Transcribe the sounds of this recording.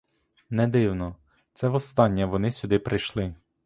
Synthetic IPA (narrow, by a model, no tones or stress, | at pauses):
nɛd̪ɪwnɔ | t̪sɛʋɔst̪ɑnʲːɐʋɔnɪsʲʊd̪ɪpɾʔɪjʃlˠɪ